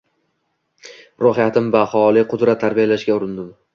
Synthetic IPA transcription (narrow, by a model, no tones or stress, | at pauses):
ɾohɪjat̪ʰɪmvahɒlˠɪqʰʊd̪ɾat̪ʰːaɾbijalaʃɡʲaʊɾɪnd̪ɪm